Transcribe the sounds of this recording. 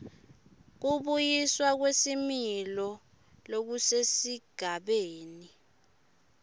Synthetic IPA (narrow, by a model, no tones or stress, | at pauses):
k̬uɓujiswak̬wesimilɔ | lok̬usesiɡ̥ʱaɓeːni